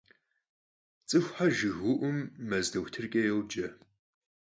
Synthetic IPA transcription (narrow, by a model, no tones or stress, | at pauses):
t͡sʼɨxʷħaʒɨɣʊʔʷʊmːɐzdɐwtʰɨrkʼɐjɛwd͡ʒɐ